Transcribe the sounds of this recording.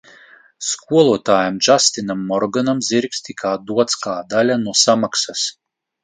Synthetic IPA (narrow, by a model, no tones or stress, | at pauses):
skuɔlˠuɔt̪aːjamd͡ʒast̪inamːɔɾɡanamziɾkst̪ikʰaːd̪uɔt̪skaːd̪alʲanuɔsamaksas